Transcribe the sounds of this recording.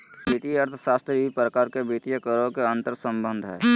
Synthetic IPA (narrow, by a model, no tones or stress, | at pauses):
bit̪ijəɾt̪ʰʃaːst̪ipɾəkaːɾkebʱit̪ijəkəɾõkeə̃nt̪əɾsə̃mbə̃nd̪ʱɦɛ̰ː